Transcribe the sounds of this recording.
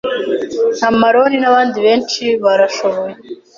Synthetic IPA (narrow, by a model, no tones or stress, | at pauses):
n̥hamaɾoninaβaːndiβe̞ːnt͡ʃiβaɾaʃoβoje